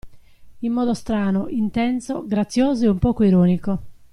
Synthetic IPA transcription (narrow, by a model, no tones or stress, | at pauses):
imːɔːd̪ost̪ɾaːnoʔint̪ɛnso̰ɡɾat̪sːjoːzoɛumpɔːkoiɾɔːniko